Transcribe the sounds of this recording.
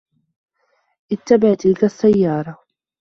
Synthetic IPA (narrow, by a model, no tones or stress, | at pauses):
ʔɪt̪ːabaʕt̪ɪlkasːajːɑːɾˤɑ